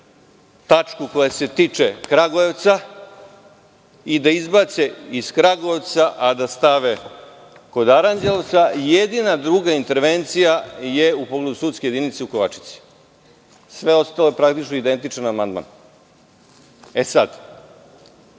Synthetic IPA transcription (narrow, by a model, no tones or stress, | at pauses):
t̪at͡ʂkuko̞jase̞t̪it͡ʂekɾaɡoeʋt̪sa | id̪aizbase̞iskɾaɡoeʋt̪saʔad̪ast̪aʋe | ko̞d̪aɾand͡ʒelt̪sajed̪inad̪ɾuːɡaint̪e̞ɾʋe̞nt̪sijaje̞upo̞ɡle̞d̪usuːt̪skeje̞d̪init̪seuko̞ʋat͡ʃi̥t̪si̥ | sʋe̞o̞st̪aloe̞pɾakt̪it͡ʃnoid̪e̞nt̪it͡ʂanamand̪ma̰n | esad̪